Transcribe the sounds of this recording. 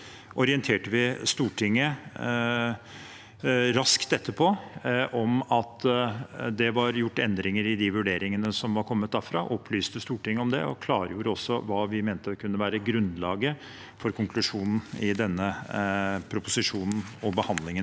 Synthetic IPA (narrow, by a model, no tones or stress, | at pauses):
ʔɔɾɪənt̪ʰeːʈəʋɪst̪uːʈʰɪŋːə | ɾɑskt̪d̪ɛt̪ʰːəpʰɔʔɔmɑt̪ | d̪ɛʋɑɾjʊʈːɛnd̪ɾɪŋəɾɪd̪ɪʋʉɖeːɾɪŋənəsɔmʋɑɾkʰɔmːət̪̚d̪æːfɾɑːʔɔpʰlyːst̪əst̪uːʈɪŋːəɔmd̪ɛ̰ɔ̰kʰlɑːɾəjuːɾəɔsːɔʋɑːʋɪmeːnt̪əkʰʉnːəʋæːɾəɡɾʉnlɑːɡə | fɔɾkʰʊŋkʰlʉʂuːnn̩ɪd̪ɛnːə | pʰɾʊpʊsɪʂuːnn̩ɔbəhɑnd̪lɪŋə